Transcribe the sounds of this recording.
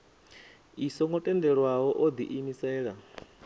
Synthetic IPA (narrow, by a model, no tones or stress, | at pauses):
isɔŋɔtʼɛndɛɺwaɦɔʔod̪ḭʔimisɛːɺa